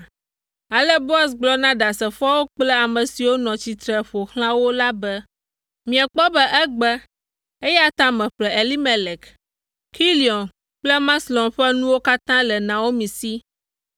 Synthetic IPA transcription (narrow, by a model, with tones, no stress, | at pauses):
a˨lɛ˦bo˦a˨s̬ɡ͡blɔ˦nã˦ɖa˨sɛ˨fɔ˦wo˦k͡plɛ˦a˨mə̃˨si˨wo˦nɔ̃˨t͡ɕi˨t̪ɾɛ˨ɸo˨xl̃ã˦wo˦la˦bɛ˦ | mĩ˨ɛ̃˨k͡pɔ˦bɛ˦ʔɛ˦ɡ͡bɛ˦ | e˦jɛ˦a˨t̪ã˦mɛ̃˨ɸlɛ˨e˨li˦mɛ˨lɛ˨k | ki˦li˨ɔ˨n | k͡plɛ˦mã˦slɔ̃˨mɸɛ˦nũ˦wo˦ka˦t̪ã˦lɛ˨nã˨wo˦mĩ˨si˦